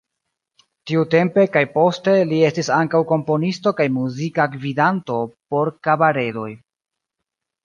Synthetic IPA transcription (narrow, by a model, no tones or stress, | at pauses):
tiute̞mpe̞kajpo̞ste̞lie̞stisaŋkawko̞mpo̞nisto̞kajmuzikaɡvidanto̞po̞ɾkabaɾe̞do̞̰j